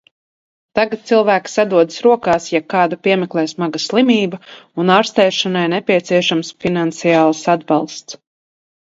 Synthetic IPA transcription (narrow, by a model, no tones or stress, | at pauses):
t̪aɡat̪̚t̪silˠvæːksad̪uɔd̪ɨsɾuɔkaːsjakɑːd̪apʲiɛmɛklˠɛːsmaɡaslˠimʲiːbaunaːɾst̪ɛjʃanajnɛpʲiɛt̪siɛʃamsfinant̪sijaːlˠsad̪bɑlˠst̪s